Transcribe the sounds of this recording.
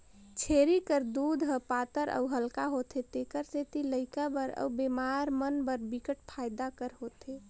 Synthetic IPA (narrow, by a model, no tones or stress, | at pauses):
t͡ʃʰeːɾikəɾd̪uːd̪ʱɦəpaːt̪əɾʔə̰ʊɦəlkaɦoːt̪et̪eːkəɾset̪iləɪkabəɾə̰ubemaːɾmənbəɾbɪkəʈ̚pʰaːɪd̪akəɾɦoːt̪eː